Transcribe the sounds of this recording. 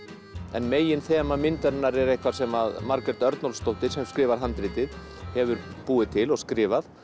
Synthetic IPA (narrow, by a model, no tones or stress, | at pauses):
ɛnmeːjɪnθɛːmamɪnt̪ɛɾnːaɾɛɾejhkvaɾ̥sɛmaðmaɾkɾɛɾt̪œɾt̪nɔlst̪owht̪ɪ̥sɛmskɾɪːvaɾ̥ɦant̪ɾɪːt̪ɪð | hɛvʏɾpuːɪt̪ʰɪlɔɣskɾɪːvaθ